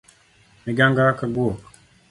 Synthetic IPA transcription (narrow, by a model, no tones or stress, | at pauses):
meɡaŋɡakaɡuok